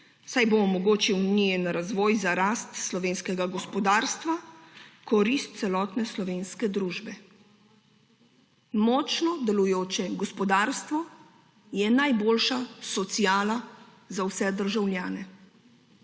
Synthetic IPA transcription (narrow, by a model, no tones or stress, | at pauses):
sajboɔmɔɡoːt͡ʃiwnijɛnɾazʋɔːjzaɾaːst̪slɔʋeːnskɛɡaɡɔspɔd̪aːɾst̪ʋakɔɾist̪̚t̪sɛlɔːt̪nɛslɔʋeːnskɛd̪ɾuːʒbɛ | mɔt͡ʃnɔd̪ɛlujoːt͡ʃɛɡɔspɔd̪aːɾst̪ʋɔ | jɛnajboːlʃasɔt̪siaːla | zawsɛd̪əɾʒawlʲjaːnɛ